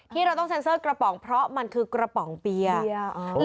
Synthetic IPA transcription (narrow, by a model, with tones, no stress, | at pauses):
t̪ʰiː˥˩ɾa˧wt̪ɔ˥˩ŋse˧˦nsɤː˥˩kɾa˧pɔ˩˦ŋpʰɾɔ˦˥ma˧nkʰɯː˧kɾa˧pɔ˨˩˦ŋpi˧ɐ˧